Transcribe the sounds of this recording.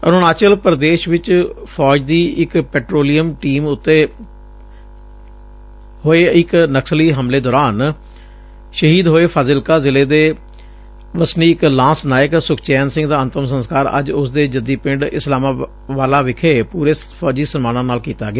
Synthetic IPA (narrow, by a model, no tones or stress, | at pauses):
ə̰noːnaːt͡ʃəlpəɾd̪eːʃʋɪt͡ʃpʰɔːd͡ʒd̪iːɪkpɛːʈɾoːlijəmʈiːmʊt̪ːeː | ɦoːeːɪknəksliːɦəmleːd̪ɔːɾaːn | ʃəɦiːd̪ɦoːeːpʰaːzɪlkaːzɪleːd̪eː | ʋəsniːɪklãːsnaːjəksʊkʰt͡ʃɛːnsɪ̃ŋɡd̪aːənt̪əmsə̃nskaːɾə̰d͡ʒʊsd̪eːd͡ʒəd̪iːpɪ̃ɳɖɪslaːmaː | ʋaːlaːʋɪkʰeːpuːɾeːpʰɔːd͡ʒiːsənmaːnãːnaːlkiːt̪aːɡɪaː